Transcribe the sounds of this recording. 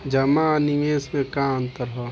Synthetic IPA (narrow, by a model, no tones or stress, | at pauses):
d͡ʒɐmanieːsmẽkaə̃nt̪əɾɦɔ